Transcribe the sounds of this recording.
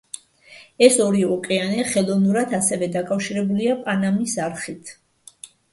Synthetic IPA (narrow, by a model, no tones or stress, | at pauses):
ɛsɔɾiɔkʼɛanɛχɛlˠɔnuɾat̪ʰasɛvɛd̪akʼafʃiɾɛbuliapʼanamisaɾχit̪ʰ